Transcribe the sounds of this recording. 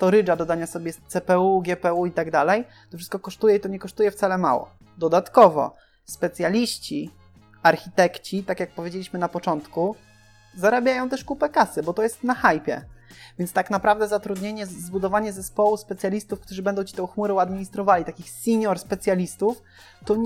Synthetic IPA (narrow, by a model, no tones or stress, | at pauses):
st̪ɔɾɘd͡ʐad̪ɔd̪aɲasɔbʲjɛt̪sɛpɛuɡʲjɛpɛuit̪aɡd̪alɛj | t̪ɔfʂɘst̪kɔkɔʂt̪ujɛit̪ɔɲɛkɔʂt̪ujɛft̪salɛma̰wɔ̰ | d̪ɔd̪at̪kɔvɔ̰ | spɛt̪sʲjalʲiɕt͡ɕi | aɾxʲit̪ɛkt͡ɕit̪akʲjak̚pɔvʲed͡ʑelʲiɕmɘnapɔt͡ʂɔnt̪ku | zaɾabʲjajɔ̃w̃t̪ɛʂkupɛkasɘbɔt̪ɔjɛst̪naxajpʲjɛ̰vʲjɛnt̪st̪aknapɾavd̪ɛzat̪ɾud̪ɲeɲɛzbud̪ɔvaɲɛzɛspɔwuspɛt̪sʲjalʲist̪ufkt̪uʐɘbɛnd̪ɔ̃w̃t͡ɕit̪ɛ̃w̃xmuɾɛ̃w̃ad̪mʲiɲist̪ɾɔvalʲit̪akʲixsʲiɲɔɾspɛt̪sʲjalʲist̪uf | t̪ɔ